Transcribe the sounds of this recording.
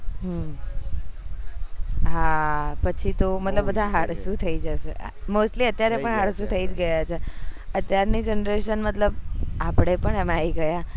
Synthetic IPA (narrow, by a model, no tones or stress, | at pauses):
ɦə | ɦapət͡ʃʰit̪omət̪ləbːəd̪ʱaɦaɽsũt̪ʰəid͡ʒəʃḛ | mosʈliət̪jaɾepəɳɦaɽsũt̪ʰəid͡ʒɡəjat͡ʃʰeət̪jaɾnid͡ʒənɾeʃənmət̪ləbapɽ̃epəɳemaiɡəja